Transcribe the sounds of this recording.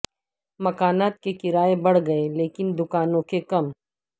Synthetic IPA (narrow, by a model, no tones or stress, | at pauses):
mɐkaːnaːt̪̚kekɪɾaːebɐɽ̤ɡɐeleːkɪnd̪ʊkaːnõkekɐm